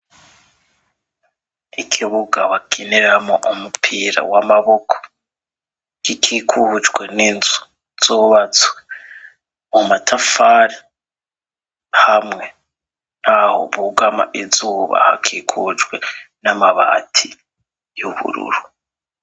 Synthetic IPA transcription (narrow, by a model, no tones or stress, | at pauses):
ikʰiβuɡaβakʰineɾamoʔumupʰiːɾa̰wamaβo̞kʰo̥ | ikʰikʰuhud͡ʒɡwe̞ninzu̥ | z̥uβat͡swe | mumatʰafaɾi | hamŋe̞ | naho̰βuɡama̰ʔizuːβa̰ha̰kʰikʰuud͡ʒɡwe̞namaβa̰ːtʰi | juβṵɾṵɾu